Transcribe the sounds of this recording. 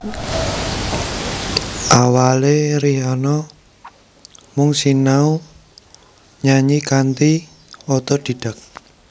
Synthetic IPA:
ʔawaleɾiɦanɔ | mʊŋsinau | ɲaɲikant̪i | ɔt̪ɔd̪̥i̤d̥ak̚

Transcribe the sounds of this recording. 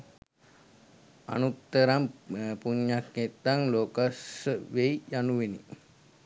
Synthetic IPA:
a̰nut̪ːəɾampuɲːakːet̪ːaŋloːkasəʋejjanuʋenḭ

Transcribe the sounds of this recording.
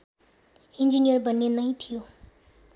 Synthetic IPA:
ind͡ʒinijərbʌnːenʌj̃t̪ʰijo

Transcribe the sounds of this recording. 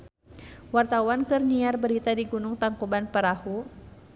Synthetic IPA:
wart̪awankɨrniarbəɾit̪adiɡunʊŋt̪aŋkubanpəɾahu

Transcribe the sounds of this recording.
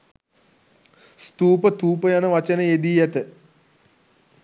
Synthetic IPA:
st̪uːpət̪uːpəjanəʋat͡ʃənəed̪iːjɛt̪ə

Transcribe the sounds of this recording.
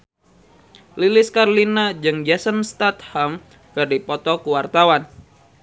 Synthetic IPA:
lilɪskaɾlinad͡ʒɨŋd͡ʒasənst̪at̪̚ham | kɨrdipɔt̪ɔkuwart̪awan

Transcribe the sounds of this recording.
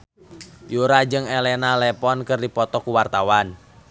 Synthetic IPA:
juɾad͡ʒɨŋelɛnalɛpɔnkɨrdipɔt̪ɔkuwart̪awan

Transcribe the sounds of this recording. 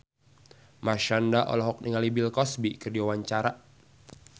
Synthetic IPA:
maʃandaʔɔ̰lɔɦɔk̚niŋalibilkɔsbikərdiwawaɲt͡ʃaɾa

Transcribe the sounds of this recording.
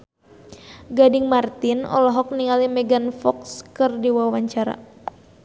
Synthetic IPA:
ɡadɪŋmart̪ɪnɔ̰lɔɦɔk̚niŋalimɛɡanfɔkskɨrdiwawaɲt͡ʃaɾa̰

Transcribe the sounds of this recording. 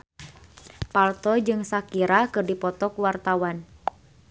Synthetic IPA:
palt̪ɔd͡ʒɨŋsakiɾakɨrdipɔt̪ɔkuwart̪awan

